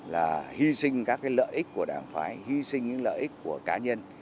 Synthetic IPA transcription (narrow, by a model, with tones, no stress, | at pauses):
laː˨˩hi˧sï˧ŋ̟kaː˦˥kːaː˨˦jlə̰ː˧˨jʔi˦˥k̚ku˧˩əɗaː˨˩ŋfaː˨˦jhi˧sï˧ŋɲɨ̰˧˥ŋlə̰ː˧˨ʔi˦˥k̚ku˧˩əkaː˨˦ɲə˧n